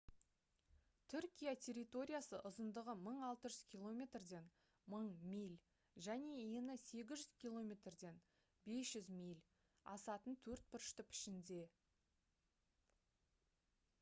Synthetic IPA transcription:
t̪ʰʏɾkʲijat̪ʰʲe̞ɾʲijt̪o̞ɾʲijasəʔʊzənd̪əʁəməɴɑlˠt̪əʒʏz̥kʲʰilˠo̞mʲe̞t̪rd̪e̞n | məɴmijlʲ | ʒæne̞enɪse̞ɡʲɪzʒʏz̥kʲʰilˠo̞mʲe̞t̪rd̪e̞n | be̞sʒ̥ʏzmʲijlʲ | ɑ̰sɑt̪ənt̪ʰɵɾt̪̚pɪɾʃt̪ɪpɪ̥ʃɪnd̪e̞

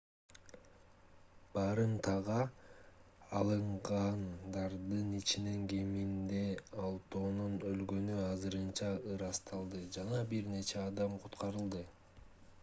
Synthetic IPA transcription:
b̥ɑɾɯnt̪ʰɑʁɑ | lˠɯɴʁɑnd̪ɑɾd̪ɯnit͡ʃine̞ŋɡemind̪eɑlˠt̪oːnunølɡø̞nyɑzɯɾɯnt͡ʃɑɯɾɑst̪ʰɑlˠd̪ɯd͡ʒɑnɑbiɾne̞t͡ʃe̞ɑd̪ɑmqʰut̪qɑɾɯlˠd̪ɯ

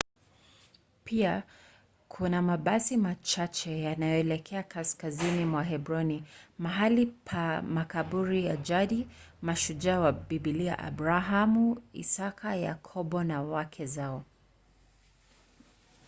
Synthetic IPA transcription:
pʰia | kʰunamaɓasimat͡ʃat͡ʃɛjanajɔɛlɛkʰɛakaskazinimwaɦɛbɾɔnimaɦalipʰamakaɓuɾijad͡ʒaɗimaʃud͡ʒawabiɓilia̰ʔa̰bɾaɦamuḭsakaja̰kʰɔɓɔnawakʰɛzaɔ

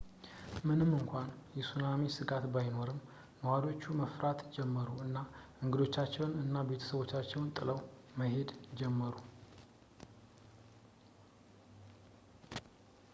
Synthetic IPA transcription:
mɨnɨmːɨŋkʷanjɛsunamisɨɡat̪bajno̞ɾɨmː | əwad̪o̞t͡ʃːuməfɾat̪d͡ʒɛmːəɾuɨnːaʔɨŋɡɨd̪o̞t͡ʃːat͡ʃːɛwnɨnːabe̞t̪ʰə̥səβwo̞t͡ʃːat͡ʃːɛwnt̪ʼɨləwməhe̞d̪d͡ʒɛmːəɾu

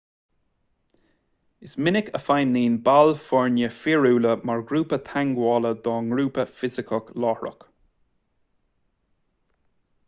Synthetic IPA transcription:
ɪsmɪnɪkəfajnːiːnbalfɔɹnjəfiɹuːləmaɹɡɾuːpət̪ʰaŋɡwɔːləd̪ɔːŋɡɾuːpəfɪzɪkʰəklɔːhɹə̰k

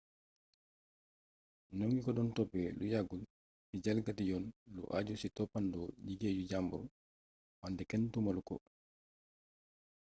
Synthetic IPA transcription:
noŋɡikɔdɔntɔpːɛlujaɡul | sid͡ʒalɡatijɔnlṵʔad͡ʒusitɔpːandɔd͡ʒiɡeːd͡ʒud͡ʒambuɾṵ | mandɛkɛntumalukɔ̰

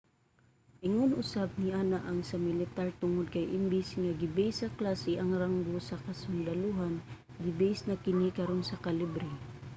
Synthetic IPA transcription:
ʔɪŋonʔʊsab̚niʔaːnaʔɐŋsɐmɪlɪt̪aɾt̪ʊŋʊd̪̚kajʔɪmbɪsŋaɡɪbɛsɐklaːsɪʔɐŋɾaŋɡosɐkɐsʊnd̪aluɦan | ɡɪbɛʔɪsnakɪnikɐɾonsɐkalɪbɾɪ

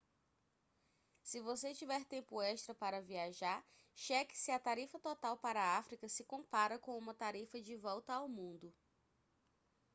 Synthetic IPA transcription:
sɪvoset͡ʃivɛɾt̪ẽmpʊɛʃt̪ɾɐpaɾɐviaʒaɾ | ʃɛkɪ̥sɪɐt̪aɾifɐt̪ɔt̪awpaɾɐːafɾikɐsɪkõpaɾɐkõũmɐt̪aɾifɐd͡ʒɪvɔwt̪ɐawmũnd̪ʊ

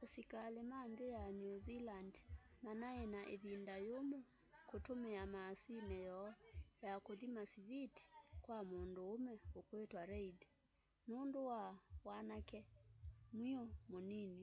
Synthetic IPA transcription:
asikalemandejanuzilandmanaɛnaʔeβindajomu | kotomɛamasinɛjɔjakoðimasiviti̥kwamondoomɛokwetwaɾɛidi | nundowawanakɛ | mwiɔmonini

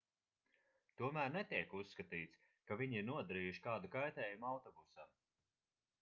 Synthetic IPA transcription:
t̪uɔmæːɾnɛt̪iɛkusːkat̪iːt̪s | kaviɲiɾnuɔd̪aɾiːjuʃi̥kaːd̪ukajt̪ɛːjumawt̪ɔbusaː

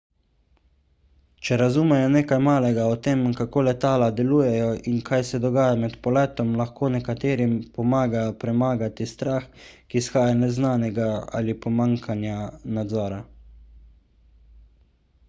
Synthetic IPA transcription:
t͡ʃɛɾazuːmɛjɔneːkajmaːlɛɡaɔt̪eːmkakoːlɛt̪aːlad̪ɛluːjɛjɔʔinkʰajsɛd̪ɔɡaːjamɛt̪pɔlɛːt̪ɔmlaxkoːnɛkat̪eːɾimpɔmaːɡapɾɛmaːɡat̪ist̪ɾaːxkisxaːjanɛznaːnɛɡaa̰ːlipɔmaːŋkʰanjanad̪zɔːɾa

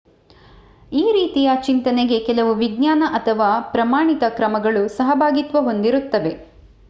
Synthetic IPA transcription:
iːɾiːt̪ijaːt͡ʃint̪ɐneɡe̞kɛlɐʋuʋiɡɲaːnɐʔɐt̪ʰɐʋaːpɾɐmaːɳit̪ɐkɾɐmɐɡɐɭusɐɦɐbʱaːɡit̪ʋɐɦo̞nd̪iɾut̪ːɐʋe̞

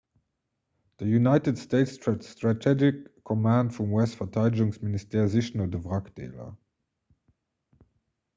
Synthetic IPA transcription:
ðəjunaɪtədsteɪtsstɹatʰɛd͡ʒɪkʰːɔmãnd̥fɹɔ̃mwɛstfətʰaɪd͡ʒɪ̃ŋsmɪnɪstɛɹzɪʃə̃nədəvʁaktḛɪlə̰

